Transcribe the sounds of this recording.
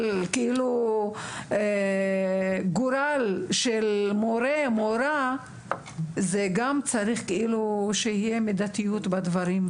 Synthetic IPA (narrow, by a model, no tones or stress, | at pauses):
lkeilu | e | ɡuɾalʃelmoɾemoɾa | zeɡamt͡saɾiχkeʔiluʃehijemed̪at̪ijut̪bad̪vaɾim